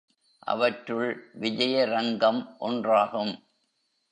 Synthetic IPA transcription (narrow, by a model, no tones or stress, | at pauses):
ʔɐ̰ʋɐʈrɯɭʋɪd͡ʒɐjɐɾɐŋɡɐmʔɔ̰ndraːɣɯm